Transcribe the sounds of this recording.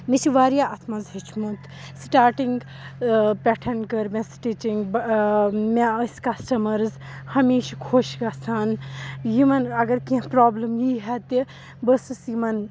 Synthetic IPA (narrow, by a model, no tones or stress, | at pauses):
mit͡ʃʰiʋaːɾjaʔɐt̪ʰmãnzɦet͡ʃʰmut̪ | sʈaːɾʈiŋɡ | pʲɛʈʰɐnkəɾmẽsʈit͡ʃiŋɡb | mẽɐskɐsʈɐmɐɾz | hɐmiːʃkʰoʃɡasanjimɐnɐɡɐɾkiãpɾaːbləmjiɦɛt̪i | bəsɨsimɐn